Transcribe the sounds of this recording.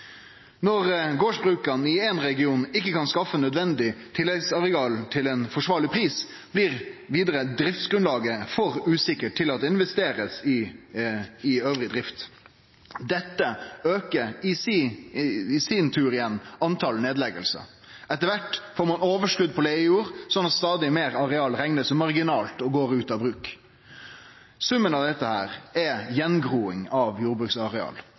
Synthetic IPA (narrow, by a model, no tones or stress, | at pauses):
nɔɾɡoːʂbʁʉːkɑnɪɛnɾɛɡɪuːnɪkːəkɑnskɑfːənœd̪ʋɛnd̪ɪt̪ʰɪlːɛɡsɑʁɛɑːlt̪ʰɪleːnfɔʂʋɑːɭɪpʰɾiːs | b̥liɾʋiːd̪əɾəd̪ɾɪft̪sɡ̥ɾʉnlɑːɡəfɔɾʉːsɪkːəʈʰːɪlɑt̪̚d̪ɛɪnʋɛst̪eːɾəsɪ | ɪøːʋɾɪd̪ɾɪft̪ | d̪ɛt̪ːəøːkəɾɪs | ɪsint̪ʰʉːɾɪjɛnːɑnt̪ʰɑlneːd̪lɛɡə̰lsə̰ | ɛt̪ːəɾʋæʈːfoːɾmɑnoːʋəʂkʉd̪ːpʰɔleɡəjuːɾsɔnɑt̪st̪ɑːd̪ɪmeːɾɑɾɛɑːlɾɛŋnəsmɑʁɡɪnɑːlt̪ɔɡoːɾʉːt̪ɑʋbɾʉːk | sʉmːənɑʋd̪ɛt̪ːəhæːɾɛjɛnɡɾuːɪŋɑʋjuːɾbɾʉksɑʁɛɑ̰ːl